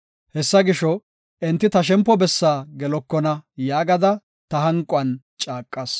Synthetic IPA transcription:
hɛsːɐɡɪʃɔ | ɛnt̪ːɪt̪ɐʃ̬ɛmpːɔbɛsːaːɡɛlɔkːɔnɐjaːɡɐd̪ɐ | t̪ɐɦɐŋkʼʊɐn | t͡ʃʼaːkʼːɐs

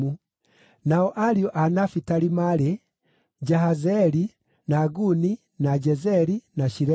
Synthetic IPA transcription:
u | naɔʔaɾiɔʔanafitaɾimaɾe | d͡ʒaɦazɛɾi | naːɡuni | nad͡ʒɛzɛɾinaʃiɾɛ

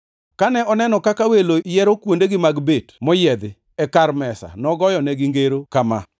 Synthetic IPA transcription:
kanɛɔnɛnɔkakawelojɛɾokwondeɡɪmaɡbetmɔjɛd̪ɪ | ɛkaɾmɛsa̰nɔɡɔjɔnɛɡɪŋɡeɾokama̰

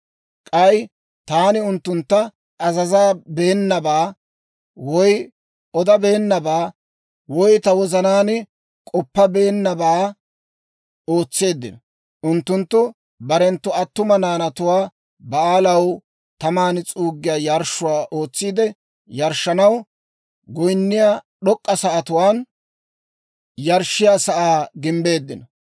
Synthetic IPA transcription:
kʼɐj | t̪aːnɪʊnt̪ːʊnt̪ːɐ | ɐzɐzaːbeːnːɐbaː | wɔj | ɔd̪ɐbeːnːɐbaː | wɔjt̪ɐwɔzɐnaːn | kʼɔpːɐbeːnːɐbaː | o̞ːt͡sːe̞ːd̪ːɪ̰nɔ | ʔʊnt̪ːʊnt̪ːʊ | bɐɾɛnt̪ːʊɐt̪ːʊmɐnaːnɐt̪ʊwaː | bɐaːlɐw | t̪ɐmaːnɪt͡sʼuːɡːɪjaːjɐɾʃːʊwaːʔo̞ːt͡sːiːd̪ɛ | jɐɾʃːɐnɐw | ɡʊjnːɪjaː | ɗɔkʼːɐsɐʔɐt̪ʊwaːn | jɐɾʃːɪjaːsɐʔaːɡɪmbe̞ːd̪ːɪnɔ

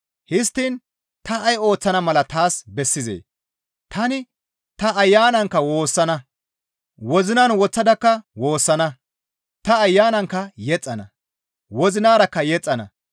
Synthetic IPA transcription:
hɪst̪ːiːn | t̪ɐʔɐjo̞ːt͡sːɐnɐmɐlɐt̪aːsbɛsːɪzḛː | t̪ɐnɪ | t̪ɐɐjːaːnɐŋkːɐwo̞ːsːɐnɐ | wɔzɪnaːnwɔt͡sːɐd̪ɐkːɐwo̞ːsːɐnɐ | t̪ɐːjːaːnɐŋkːɐjɛt͡sʼːɐnɐ̰ | wɔzɪnaːɾɐkːɐjɛt͡sʼːɐnɐ̰

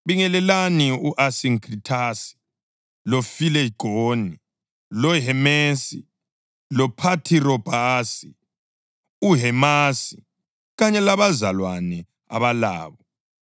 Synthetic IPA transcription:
βiŋɛlɛlaniuʔasiŋkritʰasi̥ | lofilɛɡ̥ʱoni | lɔɦɛmesḭ | lɔpʰatʰirɔb̥ʱasi | uɦɛmasi | ɣaɲɛlaβazalwanɛ | a̰βala̰ːβɔ

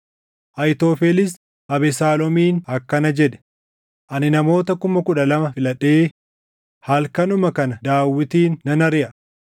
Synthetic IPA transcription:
ʔɐjt̪oːfɛlɪs | ʔɐbɛsaːlɔmiːnɐkːɐnɐd͡ʒɛᶑɛ̥ | ʔɐnɪnɐmo̞ːt̪ɐkʊmɐkʊᶑɐlɐmɐfɪlɐᶑeː | hɐlkɐnʊmɐkɐnɐd̪aːwːɪt̪iːnːɐnɐɾɪʔɐ

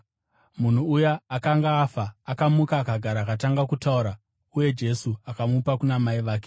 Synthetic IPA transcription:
mun̤uːjaːkaŋɡaːfaːkamukaːkaɡʱaɾaːkataŋɡakutauɾa | uje̞d͡ʒe̞suakamupakunamaiʋaːk̬e̥

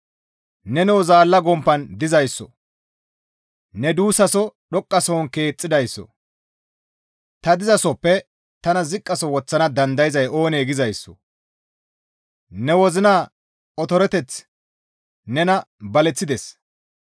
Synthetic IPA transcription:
nɛnɛwɔzaːlːɐɡɔmpːɐnd̪ɪzɐjsːɔ̰ | nɛd̪uːsɐsɔɗɔkʼːɐsoːnke̞ːt͡sʼːɪd̪ɐjsːɔ̰ | t̪ɐd̪ɪzɐsɔpːɛ | t̪ɐnɐzɪkʼːɐsɔwɔt͡sːɐnɐd̪ɐnd̪ɐjɪzɐjʔo̞ːneːɡɪzɐjsːɔ̥̰ | nɛwɔzɪnaː | ɔt̪ɔɾɛt̪ɛt͡s | nɛnɐbɐlɛt͡sːɪd̪ɛs

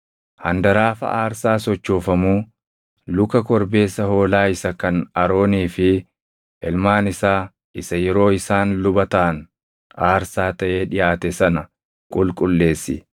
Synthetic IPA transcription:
hɐnd̪ɐɾaːfɐ̰ʔaːɾsaːsɔt͡ʃːoːfɐmuː | lʊkɐkɔɾbe̞ːsːɐho̞ːlaːɪsɐkɐnɐɾo̞ːniːfɪ | ʔɛlmaːnɪsaː | ɪsɐjɛɾo̞ːɪsaːnlʊbɐt̪ɐːn | ʔaːɾsaːt̪ɐʔe̞ːᶑɪjaːt̪ɛsɐnɐ | kʼʊlkʼʊlːe̞ːsːɪ̰

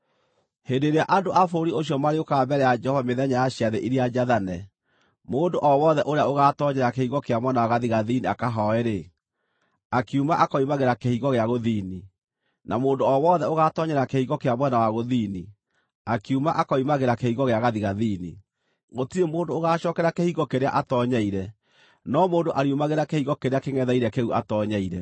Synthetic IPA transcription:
hendeɾeaʔandoʔafoɾioɕ̬jɔmaɾeokambɛɾɛjad͡ʒɛhɔvameðɛɲajaɕiaðeʔiɾiad͡ʒaðanɛ | moːndoʔɔwɔðɛʔoɾeaoɣatɔɲɛɾakehiɣɔkeamwɛnawaɣaðiɣaðiniakaɦɔɛɾe | akiumaʔakɔimaɣeɾakehiɣɔɣeaɣoðini | namoːndoɔwɔðɛoɣatɔɲɛɾakehiɣɔkeamwɛnawaɣoðiːni | akiumaʔakɔimaɣeɾakehiɣɔɣeaɣaðiɣaðiːni | ɣotiemoːndoːɣaːɕɔkɛɾakehiɣɔkeɾeaʔatɔɲaiɾɛ | nɔmoːndoʔaɾiumaɣeɾakehiɣɔkeɾeakeŋɛðaiɾɛkeuʔa̰tɔɲaiɾɛ

